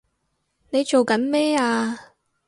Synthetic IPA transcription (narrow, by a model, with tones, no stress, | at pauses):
ne˨˧jt͡ʃo˨wkɐ˨˥nmɛː˥aː˧